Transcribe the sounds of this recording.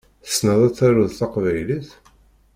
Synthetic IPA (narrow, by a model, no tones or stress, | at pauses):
θə̥snəðˤæt͡sːæɾʊðθɑqvæjliθ